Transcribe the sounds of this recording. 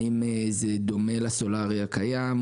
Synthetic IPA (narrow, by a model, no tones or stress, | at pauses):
imezed̪o̞me̞laso̞laʁiakajam